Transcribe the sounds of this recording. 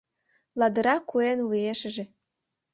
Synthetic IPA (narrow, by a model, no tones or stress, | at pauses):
lɑd̪ə̆ɾɑkuenvujeʃə̆ʒĕ